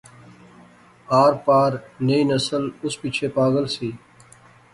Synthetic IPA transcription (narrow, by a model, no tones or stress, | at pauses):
aːɾpaːɾneiːnəsəlʊspiːt͡ʃʰeːpaːɡəlsiː